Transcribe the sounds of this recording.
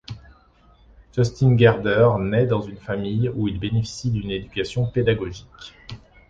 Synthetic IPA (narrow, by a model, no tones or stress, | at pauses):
ʒ̥ɔst̪inɡʲaʁd̪œʁnɛd̪ɑ̃zynfamijuilbenefi̥sid̪yned̪ykʲasjɔ̃ped̪aɡɔʒikʲ